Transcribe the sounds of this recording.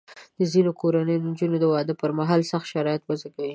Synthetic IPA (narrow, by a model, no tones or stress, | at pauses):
d̪̥əzinokoɾanəjod̪ənd͡ʒunod̪əwɑd̪əpəɾmaɦɑlsaxt̪ʃaɾɑjɪt̪wazakawi